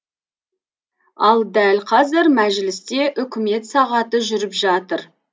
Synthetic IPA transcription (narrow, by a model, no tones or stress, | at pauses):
ɑlˠd̪ælqʰɑzɪɾmæʒɪlɪst̪e̞ʔʏkʲɪme̞t̪sɑʁɑt̪əʒʏɾɪpʒɑt̪əɾ